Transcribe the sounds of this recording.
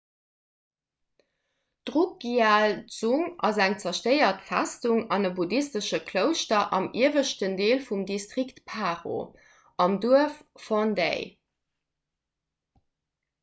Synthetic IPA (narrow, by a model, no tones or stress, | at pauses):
d̥ʁuk̚ɡiaːlz̥uŋɑ̰zæŋt͡sɐʃtɜɪɐtfæstuŋɑnəbudistəʃəkʰləʊʃtɐʔɑmiəvəʃtəndeːlfumdistʁiktpʰaːʁo̰ | ɑmduəffondḛɪ